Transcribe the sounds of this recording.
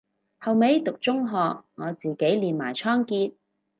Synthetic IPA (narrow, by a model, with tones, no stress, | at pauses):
hɐ˨wme˨˥jt̪ʊ˨k̚t͡sʊ˥ŋɦɔː˨k̚ŋɔː˨˧t͡siː˨ke˨˥jliː˨nmaː˨˩jt͡ʃʰɔː˥ŋkiː˧t̚